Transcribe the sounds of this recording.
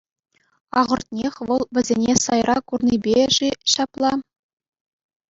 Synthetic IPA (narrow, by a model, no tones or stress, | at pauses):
ɑʁɤ̆rt̪̚ʲnʲexʲʋɤ̆lˠʋʲɘ̆zʲenʲesɑjrɑkurnibʲeʐeɕɑplˠɑ